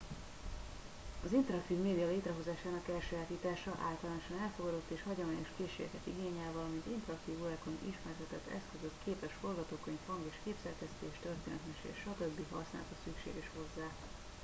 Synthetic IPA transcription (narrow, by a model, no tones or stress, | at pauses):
ɒzint̪ɛɾɒkt̪iːvmeːd̪ijɒleːt̪rɛɦo̞zaːʃaːnɒkɛlʃøːaːt̪iːt̪aːʃɒʔa̰ːlt̪ɒlaːnoʃɒnɛlfo̞ɡɒd̪o̞t̪ːeːʃhɒɟo̞maːɲo̞ʃkeːʃḛːɾɛ̰kɛt̪ḭɡeːɲaːvɒlɒmint̪int̪ɛɾɒk̚t̪iːvolɛkonḭʃmɛrt̪ɛt̪ɛt̪ːɛ̰skøzøkkʰeːpɛʃfo̞rɡɒt̪oːkøɲfhɒŋɡeːʃkeːpsɛrkɛst̪eːʃt̪ørt̪ḛːnɛt̪mɛʃḛʃɒt̪ø̞bːiɦɒ̰sna̰ːlt̪ɒsykʃḛːɡɛʃho̞zːaː